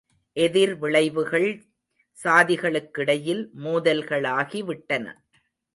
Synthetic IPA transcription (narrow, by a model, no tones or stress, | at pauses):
ʔɛðɪɾʋɪɭɐɪʋɯɣɐɭ | saːðɪɣɐɭɯkːɪɽɐjɪlmuːðɐlɣɐɭaːɣiʋɪʈːɐnɐ̰